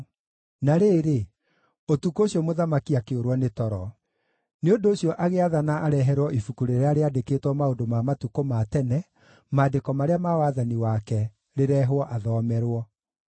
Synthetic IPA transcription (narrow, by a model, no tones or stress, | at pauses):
naɾeːɾe | otukoɕiɔmoðamakiakeoɾwɔnetɔɾɔ | neondoːɕjɔʔaɣeaðanaaɾɛɦɛɾwɔʔifukuɾeɾeaɾeadekeːtwɔmaondomamatukomatɛnɛ | maːdekɔmaɾeamawaðaniwakɛ | ɾeɾɛɦwɔʔaðɔmɛɾwɔ